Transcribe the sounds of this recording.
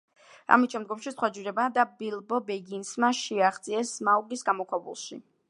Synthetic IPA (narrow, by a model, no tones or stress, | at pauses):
a̰mit̪ʃɛmd̪̚ɡɔmʃisχwad͡ʒiɾɛbad̪abilˠbɔbɛɡinsmaʃiaχd̪zʼiɛsmauɡisɡamɔkʰwabṵlˠʃi